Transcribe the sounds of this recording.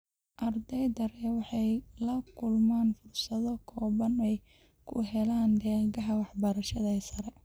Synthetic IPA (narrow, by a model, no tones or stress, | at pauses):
ʔɐrd̪ɛjd̪ɐɾɛwɑħɑjlɐkʰʊlmaːnfʊrsɐðɔkʰɔːβɐnɛj | kʰʊ̰ɦɛlaːnd̪ɛːɣɐɦɐwɑħbɐɾɐʃɐðɐɛːsɐɾɛ